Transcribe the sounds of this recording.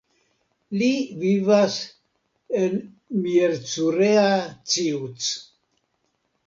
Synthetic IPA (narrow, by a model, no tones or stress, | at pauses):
livivas | en | mieɾt͡suɾeat͡siut͡s